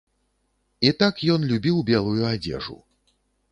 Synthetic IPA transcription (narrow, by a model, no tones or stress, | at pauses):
it̪akjɔnlʲubʲiwbʲɛlˠujuad͡zʲɛ̰ʐṵ